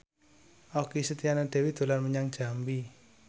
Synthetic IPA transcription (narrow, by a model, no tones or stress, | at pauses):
ʔɔkisət̪ianaɖ̥e̤wid̪̥o̤larməɲaŋd̥ʒ̥ambi